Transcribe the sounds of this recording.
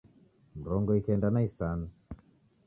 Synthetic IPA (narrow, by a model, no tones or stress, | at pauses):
m̩ɾɔŋɡɔikɛndanaisanu